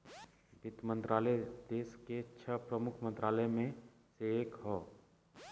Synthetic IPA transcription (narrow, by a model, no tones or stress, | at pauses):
bʱɪt̪mə̃nt̪ɾaːlɛd̪eːsket͡ʃʰəpɾəmʊkʰmə̃nt̪ɾaːləmẽ | seeːkɦɔː